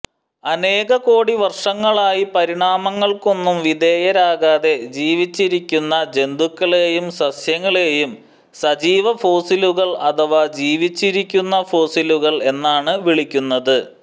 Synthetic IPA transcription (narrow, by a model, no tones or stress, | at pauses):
ɐne̞ːɣɐko̞ːɽiʋɐrʂɐŋːɐɭaːjipɐɾiɳaːmɐŋːɐɭko̞nːumʋid̪e̞ːjɐɾaːɣaːðe̞d͡ʑiːʋit͡ɕːiɾikʲːunːɐd͡ʑe̞nd̪ukːɐɭe̞ːjumsɐsjɐŋːɐɭe̞ːjum | sɐd͡ʑiːʋɐfo̞ːsiluɣɐɭɐt̪ʰɐʋad͡ʑiːʋit͡ɕːiɾikʲːunːɐfo̞ːsiluɣɐɭe̞nːaːɳɨʋiɭikʲːunːɐðɨ